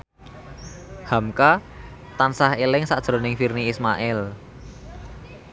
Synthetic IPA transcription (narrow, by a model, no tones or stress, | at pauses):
hamka | t̪ansahelɪŋsaʔd̥ʒ̥ɾo̤nɪŋfirniːsmaʔɪl